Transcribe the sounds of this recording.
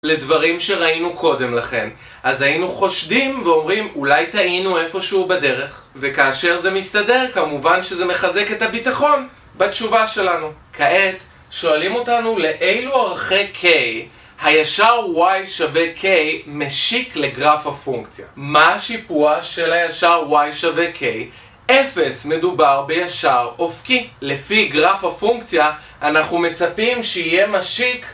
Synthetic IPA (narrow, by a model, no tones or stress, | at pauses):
le̞dvaʁimʃe̞ʁainukʰo̞de̞mlaχe̞m | ʔazainuχo̞ʃdimveo̞mʁimulajtaʔinue̞fo̞ʃeubade̞ʁe̞χ | vekaːʃe̞ʁzemistade̞ʁkamuvanʃe̞ze̞me̞χaze̞ke̞thabitaχo̞n | batt͡ʃuvaʃe̞lanukʰaʔet | ʃo̞alimo̞tanule̞ʔejluaʁχekʰej | hajaʃaʁwajʃavekʰejmeʃikle̞ɡʁafafuŋkt͡sja̰maaʃipuaʃe̞lajaʃaʁwajʃavekʰej | ʔefe̞sme̞dubaʁbe̞jaʃaʁofkile̞fiɡʁafafuŋkt͡sjaː | naχume̞t͡sapimʃeije̞maʃik